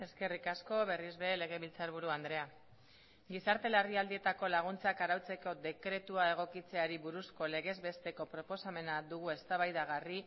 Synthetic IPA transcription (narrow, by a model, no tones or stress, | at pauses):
e̞ske̞rikasko̞βe̞rizβeele̞ɣ̞e̞βilt͡saɾβ̞uɾuand̪ɾe̞a | ɡisaɾt̪e̞laɾðiald̪ie̞t̪ako̞laɣ̞unt͡sakaɾawt͡se̞ko̞d̪e̞kɾe̞t̪uae̞ɣ̞o̞kit͡se̞aɾiβuɾusko̞le̞ɣ̞e̞zbe̞st̪e̞ko̞pɾo̞po̞same̞nad̪uɣue̞st̪aβajðaɣ̞ari